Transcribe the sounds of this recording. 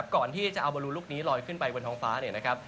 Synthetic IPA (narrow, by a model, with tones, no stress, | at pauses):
p̚kɔː˨˩nt̪ʰiː˥˩t͡ɕa˨˩ʔa˧wbɔː˧luː˧luː˥˩k̚niː˦˥lɔː˧jkʰɯ˥˩npa˧jwo˧ntʰɔː˧˥ŋfaː˦˥ni˥˩ɐna˦˥kʰɾa˦˥p̚